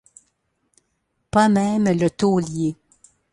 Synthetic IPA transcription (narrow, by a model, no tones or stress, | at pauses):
pamɛmlət̪olje